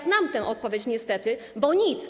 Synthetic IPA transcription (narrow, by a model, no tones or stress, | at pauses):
znamt̪ɛ̃ʔɔt̪̚pɔvʲet͡ɕɲɛst̪ɛt̪ɘ | bɔɲit̪s